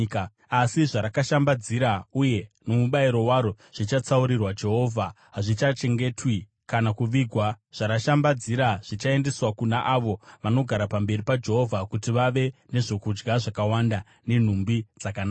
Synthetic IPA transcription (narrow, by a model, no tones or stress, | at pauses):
k | asiʐaɾakaʃambad͡ziɾauje̞nomuɓaiɾo̞waɾo | ʐ̥it͡ʃat͡sauɾirwad͡ʒe̞ɦo̞ːvʱa | ɦaʐit͡ʃat͡ʃe̞ŋɡe̞twi | kanakuʋiɡʱwa | ʐ̥aɾaʃambad͡ziɾaʐ̥it͡ʃae̞nde̞swakunaʔaʋo̞ʋano̞ɡʱaɾapambe̞ripad͡ʒe̞ɦo̞vʱakutiʋaʋe̞ne̞ʐo̞kud͡ʒɡaʐakawanda | ne̞n̤umbid͡zakanaa